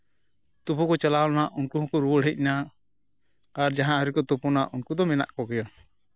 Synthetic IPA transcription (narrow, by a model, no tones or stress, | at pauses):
t̪upukɔt͡ʃalaɔnaʔunkuɦɔ̃kɔɾuwɔɽɦɛc̚ˀna | aɾd͡ʒaɦãɾikɔt̪upunaʔunkud̪ɔmɛna̰ʔkɔkɛjɔ